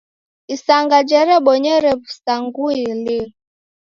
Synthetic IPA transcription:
isaŋɡad͡ʒɛɾɛɓɔɲɛɾɛpusaŋɡuili

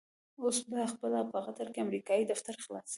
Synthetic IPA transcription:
osbaxpəlapəɣat̪aɾkeamɾikɑjid̪aft̪aɾxlɑ̰s

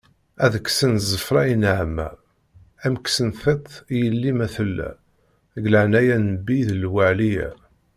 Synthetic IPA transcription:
æðəkːsənzˤəfɾˤɑjinʕmːæ̰ | æmksənθet̪ˤijəlːimæθəlːæ̰ | ɡlaʕnæjænəbːiðəlwæʕlijæ̰

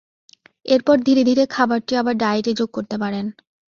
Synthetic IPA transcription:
eɾpɔɾd̪ʱiɾed̪ʱiɾekʰabaɾʈiabaɾɖaeʈid͡ʑoɡ̚koɾt̪epaɾen

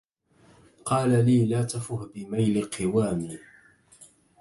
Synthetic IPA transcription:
qɑːlaliːlaːt̪afʊhbɪmajlɪqʰɪwaːmiː

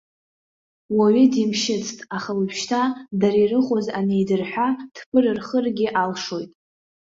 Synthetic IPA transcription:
waɥɪdimʃɪt͡sʰtʼaχalpʰʃtʰadaɾirɨχʷʼozanejdɨrħʷᶣad̥ʰpʰɨrɨrχərɡʲɪʔalʂo̞jtʼ

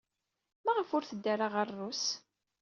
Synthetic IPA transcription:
mæʁəfʊɾθəd̪ːaɾaʁərˤːus

